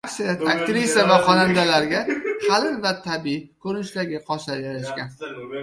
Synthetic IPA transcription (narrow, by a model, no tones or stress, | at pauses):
aksajat̪ʰakt̪ɾisavaqʰɒnand̪alaɾɡʲahʰalɪnvat̪ʰabikʰɵɾɪnɪʃlaɡʲɪqʰɒsajaɾaʃkʲan